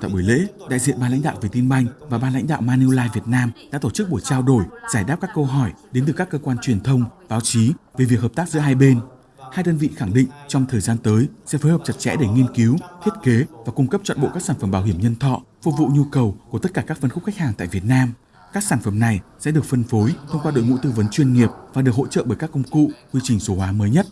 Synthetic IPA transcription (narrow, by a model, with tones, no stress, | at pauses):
t̪a̰˧˨ɓu˧˩jlḛ˧˥ɗa̰ː˧˨jzḭ˧˨ənmɓaː˧nla̰˧˥jŋ̟ɗa̰ː˧˨wvi˨˩t̪i˧nɓa˧jŋ̟vaː˨˩ɓaː˧nla̰˧˥jŋ̟ɗa̰ː˧˨wmaː˧ni˧laː˧vi˨˩ət̚naː˧mɗa̰ː˧˥t̪o˧˩t͡ɕɨ˦˥k̚ɓo˧˩jt͡ɕaː˧wɗo˧˩jzaː˧˩jɗaː˦˥p̚kaː˦˥kːə˧wɦɔ˧˩jɗe˨˦nt̪ɨ˨˩kaː˦˥kːəː˧kwaː˧nt͡ɕwi˨˩ənt̪ʰə˧wŋ͡mvaː˨˦wt͡ɕi˨˦ve˨˩vi˨˩k̚ɦəː˨˩p̚t̪aː˦˥k̚zɨ̰˧˥ɦaː˧jɓe˧n | haː˧jɗəː˧nvḭ˧˨xa˧˩ŋɗḭ̈˧˨ŋ̟t͡ɕɔ˧wŋ͡mt̪ʰəː˨˩jzaː˧nt̪əː˨˦jsɛ̰˧˥foː˨˦jhəː˨˩p̚t͡ɕə˨˩t̚t͡ɕɛ̰˧˥ɗe˧˩ŋi˧ənki˨˦wt̪ʰi˦˥t̚ke˨˦vaː˨˩kʊ˧ŋ͡mkə˦˥p̚t͡ɕwa̰˧˨nɓo̰˧˨kaː˦˥k̚saː˧˩nfə˧˩mɓaː˧˩wɦi˧˩əmɲə˧nt̪ʰɔ̰˧˨ | fṵ˧vṵ˧˨ɲu˧kə˨˩wku˧˩ət̪ə˦˥t̚kaː˧˩kaː˦˥k̚fə˧nxʊ˦˥k͡p̚xa˦˥jk̚haː˨˩ŋt̪a̰ː˧˨jvi˨˩ət̚naː˧m | kaː˦˥k̚saː˧˩nfə˧˩mna˨˩jsɛ̰˧˥ɗɨ˨˩ək̚fə˧nfo˨˦jt̪ʰə˧wŋ͡mkwaː˧ɗo̰˧˨ŋṵ˧˥t̪ɨ˧və˨˦nt͡ɕwi˧ənŋi˨˩əp̚vaː˨˩ɗɨ˨˩ək̚ho̰˧˥t͡ɕə̰˧˨ɓəː˧˩jkaː˦˥kːə˧wŋ͡mkṵ˧˨kwi˧t͡ɕï˨˩ŋ̟so˨˦hwaː˨˦məː˨˦jɲə˦˥t̚